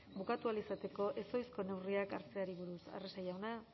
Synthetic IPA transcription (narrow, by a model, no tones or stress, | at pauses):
bukat̪ualisat̪e̞ko̞ʔe̞so̞jsko̞ne̞wriaka̰ɾt͡se̞aɾiβ̞uɾusa̰resajawna